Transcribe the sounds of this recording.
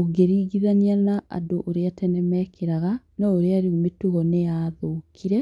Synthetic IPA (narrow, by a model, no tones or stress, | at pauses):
oɡeɾiɡiðanianaʔa̰doʔoɾeatɛnɛmɛkʰeɾaɣanaoɾeaɾiometuɣɔneaːðoːkʰiɾɛ